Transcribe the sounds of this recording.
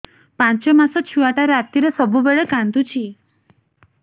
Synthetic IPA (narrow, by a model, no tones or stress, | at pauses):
pant͡ʃɔmasɔt͡ʃʰuaʈaɾat̪iɾesɔbubeɭekand̪ut͡ʃʰi